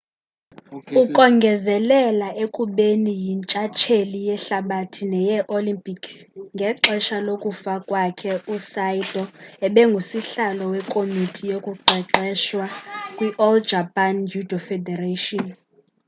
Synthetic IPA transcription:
ukʼɔŋɡʱɛzɛlɛlaʔekʼuɓenijint͡ʃʼat͡ʃʰelijɛɬaɓatʰinɛjɛʔolimpʼiksŋɡʱɛǁɛʃalokʼufakʼwakʰɛusajtʼɔɛɓɛŋɡʱusiɬalɔwɛkʼomitʼijokʼuǃʱɛǃɛʃwakʼwiʔɔld͡ʒʱapʼand͡ʒʱudʱɔfɛdɛraʃɔn

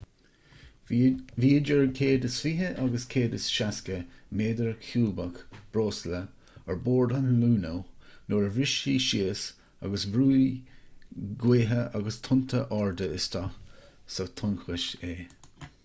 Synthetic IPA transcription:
viːd͡ʒəɹkʰeːdəsfiɦəʔaɡəskʰeːdəsʃaskəmeːdəɹkʰuːbəkb̥ɾoːslə | əɹboːɹd̪anluːnonoːɹəvɹɪʃiːʃiəs | a̰ɡəsvɾuː | ɡweːɦəʔaɡəst̪ʰʊntʰəʔɑɹd̪əɪst̪ʰaxsot̪ʰʊnxwɪʃeː

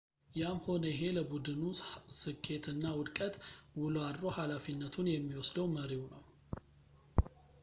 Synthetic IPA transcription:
jamho̞nəjɪɦe̞ləbud̪ɨnusɨkʰːe̞t̪ʰɨnːawʊd̪kʼət̪wʊlad̪ɾo̞halafinːət̪ʰunjɛmːiwɔsd̪əwməɾiwnəw

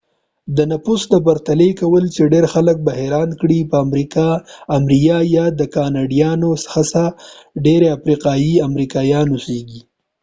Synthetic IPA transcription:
d̪ənapusd̪əp̬aɾt̪alekawəlt͡ʃeɖeɾxalək̚baɦeɾɑnkɽipəamɾikɑamɾijɑjɑd̪əkɑnɑɖijɑnosxasa | ɖeɾeafɾiqɑjiamɾikɑjɑnuseɡi

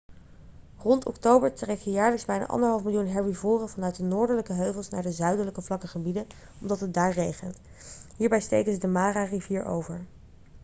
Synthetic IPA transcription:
rɔntɔ̰ktowbəɹtrɛkjəjaːɹləkzbɛjna̰ːʔɑ̰ndəɹɦɑlˠfmɪlˠjunɦɛɹwivʊːrəvɑnœɥt̚dənʊːɹdəɹləkəɦøɥvəlˠsnaːɹdəzœɥdələkəvlɑkəχəbidə | ɔmdɑtɦət̚daːɹrejχənt | ɦiːɹbɛjstejkənzədəmaːrariviːɹʔo̰wvəɹ

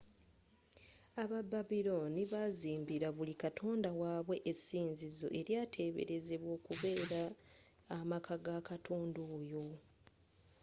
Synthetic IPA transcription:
aβabaβilo̞niβaziːmbiɾaβulikatʰo̞ːndawaːβwe̞ʔesiːnzizo̞̰ʔe̞ɾjaːtʰe̞ːβe̞̰ɾe̞ze̞βwo̞ːkuβe̞ːɾaː | makʰaɡakatʰoːndoːjo

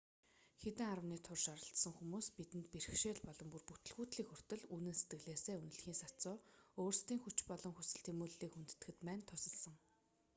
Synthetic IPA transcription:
xet̪ɘ̆ŋaɾə̆niːt̪ʰʊrʃaɾə̆ɬt̪sə̆ŋxumuːspit̪ɘ̆nt̪pirɘ̆xʃeːɮpɔɮɞ̆mpurput̪ɵ̆ɮɣuːt̪ɮiːkxɵr̥ʲt̪ɘ̆ɮuːnɘ̆nse̥t̪ɡɘ̆ɮeːseːunɵ̆ɮxiːŋsat͡sʊːoːrst̪iːŋxut͡ɕpɔɮɞ̆ŋxusɘ̆ɬt̪ʰemuːɮːiːkxunt̪t̪ɘ̆xɘ̆t̪pæːnt̪ʰʊsə̆ɮsə̆ŋ

